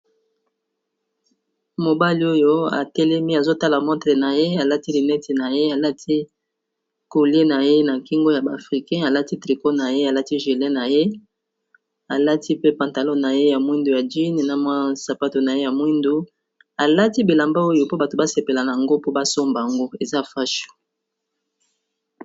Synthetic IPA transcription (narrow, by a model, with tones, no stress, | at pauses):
mo˨ba˦li˦o˦jo˦a̰˨tɛ˦lɛ˦mi˦a˨zo˦ta˦la˨mɔ˦tʁe˨na˨je˦a˨la˦ti˦li˨nɛ˦tʰi˨na˨je˦a˨la˦tʰi˦ | ko˨li˦e˦na˨je˦na˨ki˦ŋɡo˦ja˨ba˨fʁi˨kɛ̃˦a˨la˦ti˦tʁi˨ko˦na˨je˦a˨la˦ti˦ʒi˨lɛ̃˦na˨je˦ | a˨la˦tʰi˦pe˦pã˨nta˨lɔ˦na˨je˦ja˨mwi˦ndu˨ja˨d͡ʒi˦ne˨na˨mwa˦sa˨pa˦to˨na˨je˦ja˨mwi˦ndu˦ | a˨la˦ti˦be˨la˨mba˦o˦jo˦˨po˦ba˨to˨ba˦se˨pe˨la˨na˨ja˨ŋɡo˦po˦ba˦so˦mba˨a˨ŋɡo˦e˨za˦fa˦ʃo̥˨